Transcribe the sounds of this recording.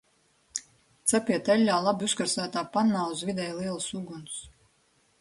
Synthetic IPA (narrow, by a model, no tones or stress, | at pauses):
t̪sapiɛt̪ɛlʲːaːlˠabiuskaɾsæːt̪aːpanːaːuzvid̪ɛjlˠiɛlˠsuɡuns